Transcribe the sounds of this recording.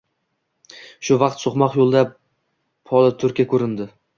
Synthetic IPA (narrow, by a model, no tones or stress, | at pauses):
ʃʊvɑqt̪soχmɒqjolˠd̪a | pʰɒlˠɪt̪ʰʊɾkʲakʲʰɵɾɪnd̪ɪ